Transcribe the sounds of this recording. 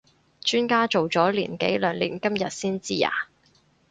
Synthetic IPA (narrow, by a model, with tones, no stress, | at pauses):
t͡ʃyː˥nkaː˥t͡so˨wt͡sɔː˨˥liː˨˩nkḛ˨˥jlœː˨˩ŋlḭː˨˩nkɐ˥mjɐ˨t̚siː˥nt͡siː˥ja̰ː˨˩